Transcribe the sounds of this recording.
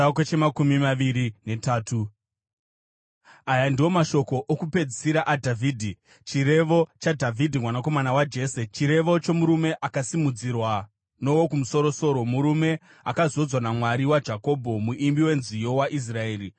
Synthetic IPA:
ket͡ʃemakumimaʋiɾine̞taːtʰu | ajandiwo̞maʃo̞ko̞ʔokupe̞d͡zisiɾaʔadʱavʱiːdʱi | t͡ʃiɾe̞ʋo̞t͡ʃadʱavʱidʱimwanak̬o̞manawad͡ʒe̞ːset͡ʃiɾe̞ʋo̞t͡ʃo̞muɾume̞ʔakasimud͡zirwa | no̞wokumuso̞ɾo̞so̞ɾo̞muɾume̞ | a̰kazo̞d͡zwanamwaɾiwad͡ʒako̞bʱo̞muʔimbiwe̞nzijo̞waʔis̬rae̞ːɾi

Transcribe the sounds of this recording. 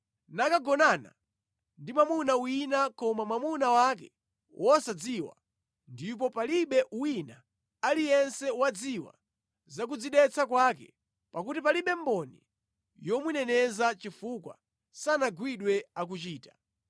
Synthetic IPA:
nakaɡɔnana̰ | ndimamunawinakɔmamamunawak̬ɛ | wʔɔsad͡ziwa̰ | ndip̬ɔpaliɓɛʔuwina | alijɛnsɛwad͡ziwa̰ | zak̬ud͡ziɗɛt͡sakwakɛ̰ | pakutipaliɓɛmbɔnḭ | jɔmunɛnɛzat͡ʃifukwa̰ | sanaɡwiɗwɛak̬ut͡ʃiːtḁ

